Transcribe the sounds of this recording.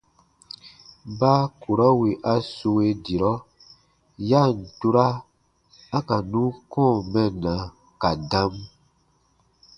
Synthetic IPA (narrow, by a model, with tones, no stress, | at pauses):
ba˦ku˨ɾɔ˦wi˨ʔa˦so˧we˧di˨ɾɔ˦ | ja˦˨n̩˨tu˦ɾa˦ | a˦ka˨nũ˦kɔ̃ː˦˨mɛ̃˦˨nã˨ | ka˨dã˦m